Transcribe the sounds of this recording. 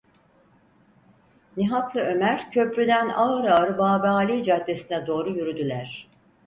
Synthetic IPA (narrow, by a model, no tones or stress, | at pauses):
niɦat̪lˠɯø̞mæɾ̥cʰø̞pɾyd̪ænaɯɾaɾɯbaːbaːlʲid͡ʒaːd̪ːe̞sinɛd̪o̞ːɾujyɾyd̪ylʲæɾ̝̥